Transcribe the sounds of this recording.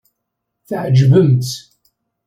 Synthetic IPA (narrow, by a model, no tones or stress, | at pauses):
θəʕəd͡ʒvəmt̪